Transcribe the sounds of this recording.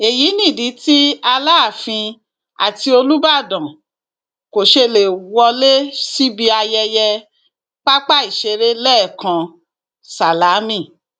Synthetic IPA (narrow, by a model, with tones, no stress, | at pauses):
e˨ji˨˦nĩ˦˨di˨˦ti˦a˧la˦˨fĩ˧ | a̰˨ti˧o˧lu˦ba˦˨dã˨ | ko˨ʃe˧le˨wɔ˧le˦si˦bi˦˧a˧jɛ˧jɛ˧ | k͡pa˦k͡pa˦i˨ʃe˧ɾe˦lɛː˦˨kã˧ | sa˨la˨˦mĩ˦˨